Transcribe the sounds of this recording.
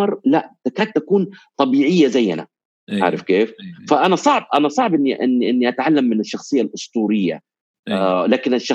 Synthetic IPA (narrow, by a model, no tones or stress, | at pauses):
ɑɾˤlaʔt̪akaːt̪̚t̪ːakuːnt̪ˤɑbiːʕɪjːazajːa̰na̰ | ʕa̰ʕɾˤɪfkeːffaʔanasˤɑʕb̚ʔanasˤɑʕbʔɪnːiʔɪ̰nːiʔɪnːiʔat̪ʕalːamːɪnɪʃːɑxsˤɨjːalʔʊst̪ˤuːɾɪjːa̰ | laːkɪnɪʃːɑ